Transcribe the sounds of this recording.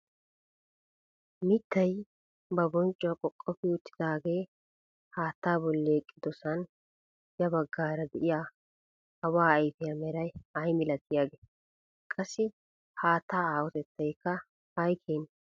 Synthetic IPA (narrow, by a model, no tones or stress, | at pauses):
mɪt̪ːɐj | bɐbɔnt͡ʃʼɔɐkʼɔkʼːɔpɪʊt̪ːɪ̥d̪aːɡe̞ː | haːt̪ːaːbɔlːeːkʼːɪd̪ɔsɐn | jɐbɐɡːaːɾɐd̪ɛʔɪjaː | ɐwaːɐjt̪ɪjɐmɛɾɐjɐjmɪlɐt̪ːɪjaːɡeː | kʼɐsːɪ | haːt̪ːaːaːwɔt̪ɛt̪ːɐjkːɐ | ɐjkʰeːn